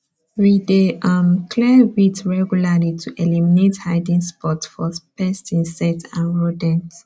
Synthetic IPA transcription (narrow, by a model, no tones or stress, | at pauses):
wideʌmkʰlɛwitɹɛɡjulalitʰuʔɛliminethaɪdĩŋspɔtfɔpɛstĩnsɛtã̰nɹodɛ̃nt